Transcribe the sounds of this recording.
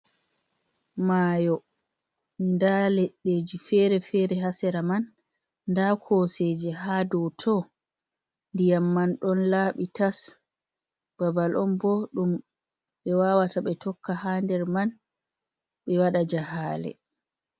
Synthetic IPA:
maːjɔ | ndalɛɗed͡ʒifɛɾɛfɛɾɛɦasɛɾamanː | dakʰɔsed͡ʒɛɦadɔtʰɔ | ndijamːanɗɔnlaːɓitas | b̥abalʔɔmbɔɗum | ɓɛwawataɓɛtʰɔkːahandɛɾman | ɓɛwaɗad͡ʒahaːlɛ̰

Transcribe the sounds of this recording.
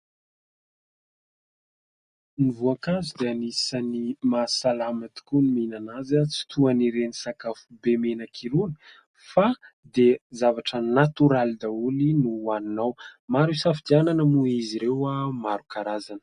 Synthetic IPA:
nivuakazud̪eanisanimasalamat̪i̥kuniminanazat͡si̥t̪ʰuaniɾenisakafubemenakʰiɾuni̥ | fa | d̪ezavaʈ͡ʂənat̪uɾalid̪aulinuaninawmaɾusafid̪iananəmuiziɾewamaɾukaɾazanə̥

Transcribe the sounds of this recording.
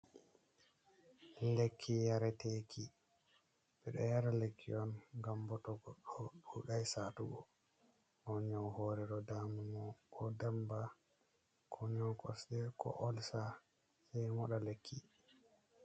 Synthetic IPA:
lekʰːijaɾɛtekʰi | bɛɗɔ̰jaɾalekːiɔnɡambɔtɔɡɔɗːɔɗuɗajsatuɡɔ | hɔɲɔwhoɾɛɗɔdamumɔɔdamba | kʰɔɲɔwkɔsɗɛkɔ̰ʔɔlsa | sɛjmɔɗalekʰːi

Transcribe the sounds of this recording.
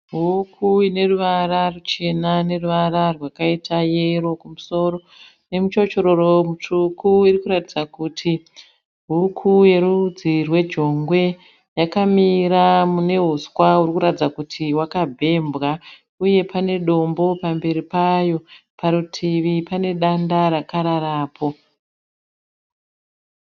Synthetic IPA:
ɦukʰuine̞ruʋararut͡ʃe̞nane̞ruʋaɾarwakaitʰaje̞ro̞kumuso̞ːɾo̞ | ne̞mut͡ʃo̞t͡ʃo̞ɾoromut͡ʂukuirikuɾatid͡zakutʰi | ɦukʰuje̞ɾud͡zirwe̞d͡ʒo̞ŋɡwe̞ | jakamiɾamune̞ɦuswaurikuɾatid͡zakutʰiwakabʱe̞mbɣa | uje̞pʰane̞ɗo̞mbo̞pambe̞ɾipajo̞pʰaɾutʰiʋipane̞ɗandaɾakaɾaɾaːpʰo̞

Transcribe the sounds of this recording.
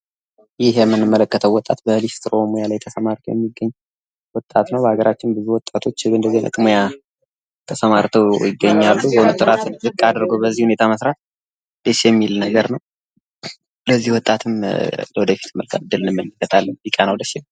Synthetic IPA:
jɪhjɛmːɨnːɨmːələkːət̪ʰəwɔt̪ʼːat̪bəlist̪ɾomojalajt̪ʰəsəmaɾt̪ʰəjɛmːiɡːəɲː | wɔt̪ʼːat̪nəwbəhaɡəɾat͡ʃːɪnbɨzuwɔt̪ʼat̪ʰo̞t͡ʃːɨɨnd̪əzinʔɨ̰kʼmoja | t̪ʰəsəmaɾt̪ʰəwjɪɡːəɲːalːubonut̪ʼɨɾat̪ɨnzɨkʼːad̪əɾɡowbəzːihune̞t̪ʰaməsɾat̪̚ | d̪̥əʃjɛmːilnəɡəɾnəw | ləzːihwɔt̪ʼːat̪ʰɨmləwɔd̪əfi̥t̪ɨmːəlkʰət̪ɨd̪ːɨlɨnɨmːələkːət̪ʰalːənjikʼːanəwd̪əʃɪ

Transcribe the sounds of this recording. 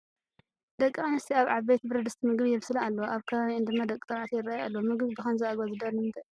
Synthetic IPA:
d̪ɐkʼːɨanɨst̪ʰiaβʕaβːet̪bɨɾɐd̪ɨst̪ʰimɨɡβijɛβsɨlaalːɐoʔaβkʰɐβaβiɨnd̪ɨmːad̪ɐkʼit̪ʼɐβʕat̪ʰijɪrːajalːɐwomɨɡβibɨxɐnzaaɡβazɨd̪alɨmt̪ɐ

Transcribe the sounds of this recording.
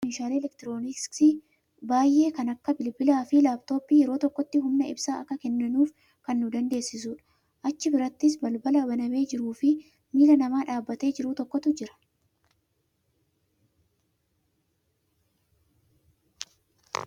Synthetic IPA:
ɪnʃaːleːɛlɛkt̪ɪɾo̞ːnɪsɪ | baːjʔe̞ːkɐnɐkːɐbɪlbɪlaːfɪlaːbt̪o̞ːpːiːjɛɾo̞ːt̪ɔkːɔt̪ːɪɦʊmnɐɪ̰bsaːɐkːɐkɛnːɐnuːf | kɐnːʊd̪ɐnd̪e̞ːsːɪs̬uːᶑɐ̥ | ʔɐt͡ʃːɪbɪɾɐt̪ːɪs̬bɐlbɐlɐbɐnɐme̞ːd͡ʒɪɾuːfɪ | miːlɐnɐmaːᶑaːbːɐt̪e̞ːd͡ʒɪɾut̪ɔkːɔt̪ʊd͡ʒɪɾɐ̥

